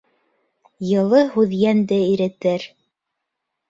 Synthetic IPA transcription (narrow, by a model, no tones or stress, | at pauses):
jɤ̆lˠɤɦʉðjænd̪ɘiɾɘ̆t̪ɘɾ